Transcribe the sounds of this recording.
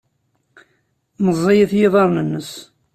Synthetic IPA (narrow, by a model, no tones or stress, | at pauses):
məzˤːejəθjɪðˤɑɾˤnənːəs